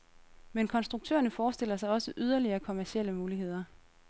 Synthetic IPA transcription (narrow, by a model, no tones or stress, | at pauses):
menkʰɒ̽nsd̥ʁuɡ̥̚t͡sʰø̰ːɐnəfɒːsd̥e̝l̰ɐsɑ̈ɪɒ̽səʔyð̞ˠɐliɐːkʰo̝mæɐɕieləmuːliɦe̝ð̞̰ˠɐ